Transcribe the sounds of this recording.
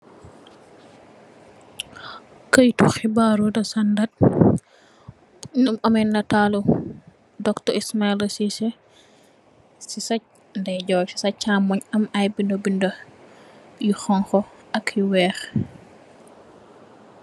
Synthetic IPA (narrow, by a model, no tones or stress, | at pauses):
kəjtuxibaːɾudɐsandat̚ | nɐmɐmɛnːɐtalu | dɔktɔismailɐsisɛ | sisɐc̚ | ndɛɟɔːfi̥sɐc̚ːamɔɲɐmajbindobindɐ | juxɔŋxɔʔɐkjuwɛːx